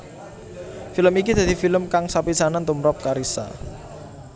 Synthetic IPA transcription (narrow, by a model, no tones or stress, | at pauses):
filəmikid̪̥ä̤d̪̥ifiləmkaŋsapisanant̪umɾɔp̚kaɾisa̰